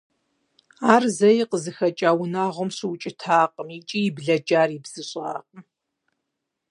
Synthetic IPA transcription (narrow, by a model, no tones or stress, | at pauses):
aːrzɐjiqəzɨxɐt͡ʃʼaːwnaːʁʷʊmɕɪwt͡ʃʼɪtʰaːqʼəmit͡ʃʼijɪbɮɐd͡ʒʼaːribz̥ɨɕʼaːqʼəm